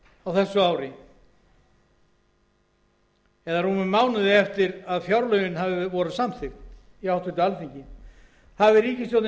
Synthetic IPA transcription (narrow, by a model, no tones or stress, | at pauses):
awθɛsːʏawɾɪ | ɛðarumʏmːaːwnaðɪɛft̪ɪɾaðfjawɾlœːɥɣɪnɦavɪvɔːɾʏðsamθɪft̪ | iawt̪ʰʏnt̪ʏalθiɲcɪ | havɪɾiːcɪsjɔwt̪n